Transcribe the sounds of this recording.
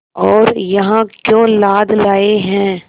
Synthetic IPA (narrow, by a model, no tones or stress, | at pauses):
ɔːɾjɐɦãkjõːlaːd̪laːeɦɛ̃ː